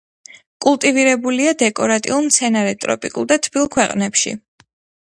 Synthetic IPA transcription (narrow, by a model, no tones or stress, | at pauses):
kʼulˠt̪ʼiviɾɛbuliad̪ɛkʼɔɾat̪ʼḭulˠmt̪sʰɛnaɾɛt̪ʼɾɔ̰pʼḭkʼṵlˠd̪at̪ʰbilˠkʰwɛqʼnɛpʃḭ